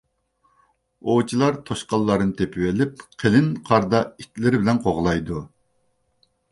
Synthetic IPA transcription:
ot͡ʃʰilˠɑɾt̪ʰoʃqɑlˠːɑɾɨnɨt̪ʰepʰɪwɪlɪp̚qʰelɪnqʰɑɾd̪ɑit̪ʰlɪɾɪbɪlɛnqʰoʁlˠɑjd̪u

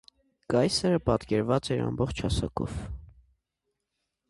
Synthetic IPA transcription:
kɑjsəɾəpɑt̪kɛɾvɑt͡sɛɾɑ̰mbɔχt͡ʃʰhɑsɑkʰɔ̰v

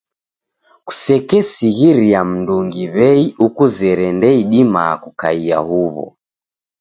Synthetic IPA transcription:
ku̥sɛkɛsiɣiɾiam̩nduŋɡiβɛiʔukuzɛɾɛndɛiɗima̰kukaia̰huβɔ̰

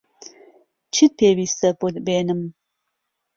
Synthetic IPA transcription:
t͡ʃʰit̪̚pʰeːwiːst̪ɐbod̪beːnɨm

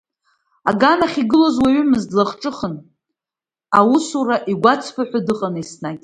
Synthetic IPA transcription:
aɡanaχʲiɡɨlozwaɥʏmɨzdlaχʈ͡ʂʼɨχən | awusuɾaʔiɡʷat͡sʰpʰaħʷᶣadɨqʼanisnakʲʼ

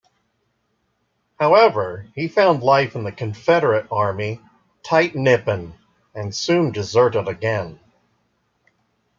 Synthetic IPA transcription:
haʊɛvə˞ifãʊ̃ndˡlaɪfn̩ðɨkʰɨ̃ɱfɛɾə˞ɨɾɑɹmi | tʰaɪtⁿnɪpɨ̃n | ɨ̃nsʉ̃ndɨzɜ˞ɾəɾɨɡɛ̃n

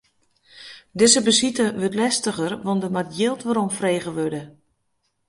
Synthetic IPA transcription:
dɪzəbəsitəʋøtlɛstəɣərʋɔndəmatjɪlˠtʋaɾomfreːɣəʋødə

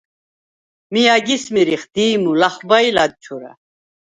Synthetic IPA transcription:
mijaɡismiɾiχd̪̥iːmulaχbajlad̪̚t͡ʃʰuɾa̰

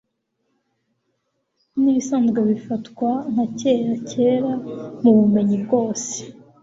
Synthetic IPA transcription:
niβisaːnzɡeβifatkwan̥hace̞ːɾace̞ːɾamuβume̞ɲib̚ɡo̞ːse̥

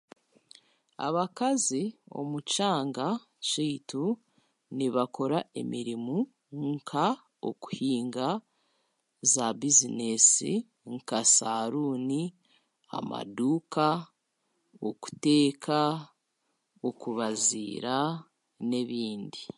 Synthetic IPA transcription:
a̰βakazio̞̰mucaːŋɡa | t͡ʃiːtu | niβako̞ɾaʔe̞̰miɾimu | ŋkʰa | o̰ku̥hiːŋɡa | zabizinesḭ | ŋkasaɾuːni | a̰ma̰duːka | oku̥te̞ːkʰa | okuβazḭːɾa | ne̞βiːndi

